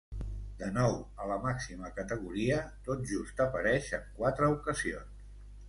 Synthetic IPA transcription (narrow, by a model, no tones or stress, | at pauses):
d̪̥ənɔwələmaksiməkət̪əɣ̞uɾiət̪ot̪̚ʒust̪əpəɾɛʃəŋkwat̪ɾəukəzions